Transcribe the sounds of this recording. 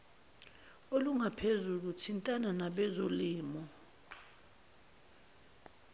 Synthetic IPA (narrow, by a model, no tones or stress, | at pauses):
oluŋapʰezulutʰintʼananaɓɛzoliːmɔ